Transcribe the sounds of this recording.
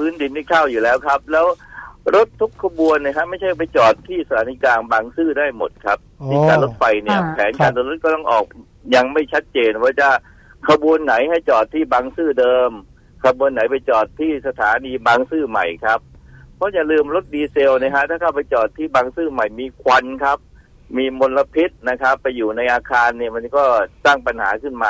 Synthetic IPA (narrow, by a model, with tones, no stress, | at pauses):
pʰɯː˦˥ndi˨˦nːi˧˥˩kʰaː˥˩wjuː˨˩lɛː˦˥wkʰa˦˥p̚lɛː˦˥wɾo˦˥t̪ʰːu˦˥k̚ʰːa˧bu˧ənːi˧˩kʰa˦˥ma˥˩jt͡ɕʰa˥˩jpa˧jt͡ɕɔː˨˩t̪ʰːiː˥˩sa˧t̪ʰaː˨˦t̪ʰi˦˥kaː˧nbaː˧ŋsɯː˥˩daː˥˩jmo̰˨˩t̪̚kʰa˦˥p̚tʰiː˧˩kaː˧nlo˦˥t̪̚fa˧jni˥˩ɐpʰɛː˩˦nkaː˧nlɯː˧nlɾo˦˥t̪̚kɔː˥˩t̪ɔ˥˩ŋʔɔ̰ː˨˩k̚ | ja˧ŋma˥˩jt͡ɕʰa˦˥t̪̚t͡ɕeː˧nwaː˧˥˩t͡ɕa˧˩ | kʰa˧bu˧ənːa˩˦jha˥˩jt͡ɕɔː˨˩t̪ʰːiː˥˩baː˧ŋsɯː˥˩dɤː˧m | kʰa˧bu˧ənːa˨˩˦jpa˧jt͡ɕɔː˨˩t̪ʰːiː˥˩sa˧t̪ʰaː˨˩˦niː˧baː˧ŋsɯː˥˩ma̰˨˩jkʰa˦˥p̚ʰːɔ˦˥ja˨˩lɯː˧mɾo˦˥t̪̚diː˧se˧wni˦˥˩kʰa˦˥t̪ʰaː˥˩ka˥˩wpa˧jt͡ɕɔː˨˩t̪ʰːiː˥˩baː˧ŋsɯː˥˩ma˨˩jmiː˧kʰwa˧nkʰa˦˥p̚ | miː˧mo˧nla˧pʰi˦˥t̪̚na˦˥kʰa˦˥pːa˧jːuː˨˩na˧jʔaː˧kʰaː˧nːi˥˩ɐma˧nkɔː˥˩saː˥˩ŋpa˧nha̰ː˩˦kʰɯ˥˩nmaː˧